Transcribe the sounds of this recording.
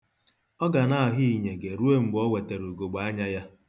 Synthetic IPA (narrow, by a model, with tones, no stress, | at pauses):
ɔ˦ɡa˨na˦˨ɔ˨ɦi˦i˨ɲe˨ɡe˨ɾu˦e˦m̩˦bɔ˦we˨te˨ɾu˨ɡo˨ɡ͡ba˦ɲa˦ja˦